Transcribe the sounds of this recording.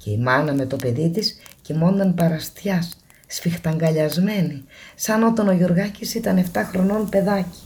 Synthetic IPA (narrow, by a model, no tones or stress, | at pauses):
ce̞imɐnɐme̞t̪o̞pe̞ðit̪iscemo̞nd̪ɐnpɐɾɐst̪çɐsː | fixt̪ɐŋɡɐʎɐzme̞nisɐno̞t̪ɐno̞ʝoɾɣɐcisit̪ɐne̞ft̪ɐxɾo̞no̞npe̞ðɐci̥